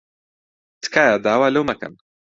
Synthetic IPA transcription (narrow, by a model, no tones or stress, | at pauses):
t̪ʰkʰaːjaːd̪aːwaːlɐwmɐkɐ̰n